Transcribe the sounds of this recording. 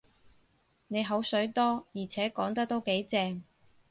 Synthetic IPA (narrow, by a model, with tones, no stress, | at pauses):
ne˨˧jɦo˨˥wsɵ˨˥ɥt̪ɔː˥jiː˨˩t͡sʰɛː˨˥kɔː˨˥ŋt̪ɐ˥k̚t̪o˥wke˨˥jt͡sɛː˧ŋ